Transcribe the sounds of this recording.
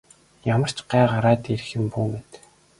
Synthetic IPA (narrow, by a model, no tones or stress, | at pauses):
jamə̆r̥t͡ɕɢæːʁaɾaːt̪iɾxɘ̆mpuːmet̪